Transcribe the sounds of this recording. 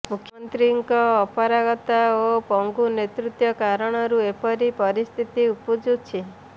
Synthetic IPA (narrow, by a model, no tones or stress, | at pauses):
mukʰjɔɔnt̪ɾiŋkɔːpɔɾaɡɔt̪aopɔŋɡunet̪ɾut̪jɔkaɾɔɽ̃ɔɾuepɔɾipɔɾist̪ʰit̪iupud͡ʒut͡ʃʰi